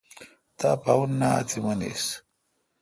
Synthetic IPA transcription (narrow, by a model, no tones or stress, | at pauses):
t̪apawunːaa̰t͡simɐnḛs